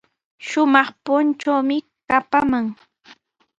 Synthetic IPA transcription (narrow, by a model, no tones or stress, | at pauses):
ʃʊmɑχpʊnt͡ʃawmɪ | kapamaŋ